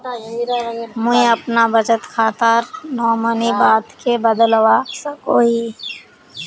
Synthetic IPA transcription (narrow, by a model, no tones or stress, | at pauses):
mʊĩəpnabət͡ʃət̪kʰaːt̪əɾnɔːmənibaːt̪kebəd̪lwasəkoːi